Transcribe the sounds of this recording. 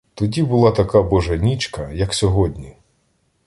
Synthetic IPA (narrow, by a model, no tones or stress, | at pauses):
t̪ɔdʲibʊlˠɑt̪ɐkabɔʒɐnʲit͡ʃkɐjɐksʲɔɦɔdʲnʲi